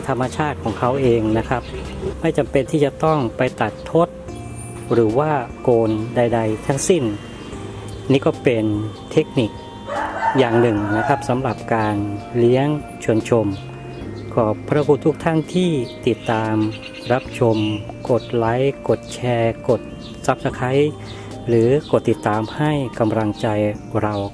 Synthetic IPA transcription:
t̪ʰa˧mːa˧t͡ɕʰaː˥˩t̪̚kʰɔː˩˦ŋkʰa˦˥wʔeː˧ŋna˦˥kʰɾa˦˥p̚ma˥˩jt͡ɕa˧mpe˧nt̪ʰiː˥˩t͡ɕa˨˩t̪ɔ˥˩ŋpa˧jt̪a˨˩t̪ʰːo˦˥t̪̚ | ɾɯː˩˦waː˥˩koː˧nda˧jda˧jt̪ʰa˦˥ŋsi˥˩n | niː˦˥˩kɔː˥˩pe˧nt̪ʰe˦˥k̚ni˨˩k̚ | jaː˨˩ŋnɯ˨˩ŋna˦˥kʰa˦˥p̚sa˩˦mɾa˨˩p̚kaː˧nli˦˥əŋ | t͡ɕʰu˧˩ənt͡ɕʰo˧m | kʰɔː˧˩pʰɾa˦˥pʰuː˧˩t̪ʰu˦˥k̚t̪ʰa˥˩nt̪ʰiː˥˩t̪i˨˩t̪ːaː˧m | ɾa˦˥p̚t͡ɕʰo˧mko˨˩t̪̚la˦˥jko˨˩t̪̚t͡ɕʰɛː˧ko˨˩t̪̚ | sa˦˥p̚sʰa˧kʰa˦˥j | ɾɯː˩˦ko˨˩t̪ːi˨˩t̪ːaː˧mha˥˩jka˧mɾa˧ŋt͡ɕa˧jɾa˧w

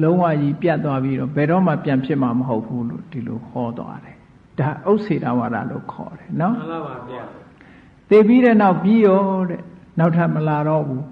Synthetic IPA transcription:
lõ˦ʊ̃wa̰˦˨ji˦pja˦˨ʔt̪ːwa˦pji˦ɾɔ˦˨bɛ˨ɾɔ˦˨ma̰˦˨pjã˨mpʰjɪ˦ʔma˨məɦo˦ʊpʰːu˦lo̰˦˨d̥i˨lo̰˨hɔ˦t̪wa̰˦ɾɛ˨ | d̥a˨ʔo˦ʊʔsʰe˨ɾa̰˦˨wa̰˨da̰˦˨lo̰˦˨kʰɔ̰˨ɾɛ˨nɔ˦ | t̪e˨pi˦ɾɛ˦˨na˦ʊʔpji˦jɔ˦ɾɛ˨na˦ʊtʰa˦˨ʔməla˨ɾɔ˦˨bu˦

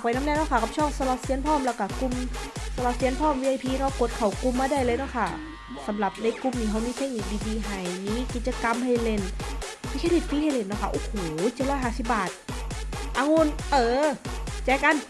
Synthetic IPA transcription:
kpa˨jna˧˥mnɛː˧˥˨nɔː˧˥˨kʰa˧˩kʰa˧˩t͡ɕʰɔː˧˩ŋsa˧la˧˩t̚si˧˥ə˨npʰɔː˧˥˩mlɛː˧˩wka˧˩ku˧msa˧la˧˩si˧˥ənpʰɔː˧˥˩mwiː˧ʔa˧jpʰiː˧nɔ˧˥˩ko˨˧˦t̪̚kʰa˨˩wku˧˦mːaː˧da˧˥˩jlɤː˧jnɔ˧˥˨kʰa˧˩ | sa˨˦mla˨˩p̚na˧˨jku˧˦mniː˧˩ɦa˧˩wmiː˧t̪ʰe˧˥k̚ni˧k̚diː˧diː˧ɦa˧˩jmiː˧˥˨ki˨˩t̪̚t͡ɕa˧ka˧mpʰa˧jle˧˩npʰiː˧˥kʰa˧li˧˩t̪̚pʰiː˧˥hʰa˧˩˨le˧˩nːɔ˧˥˩kʰa˧ʔoː˧˩hoː˨˩t͡ɕi˧˦lɔː˧˥˨jɦaː˧˩si˧˩p̚baː˨˩t̪̚ | ʔaː˧˨ŋu˧˥˨nʔɤː˧t͡ɕɛː˧ka˧˨n

